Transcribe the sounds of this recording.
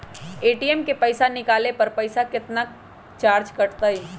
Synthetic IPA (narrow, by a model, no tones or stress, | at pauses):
eːʈiɛmkepəɪsanɪkaːlepɐɾpəɪsakɪt̪na | t͡ʃaːɾd͡ʒkɐʈt̪ai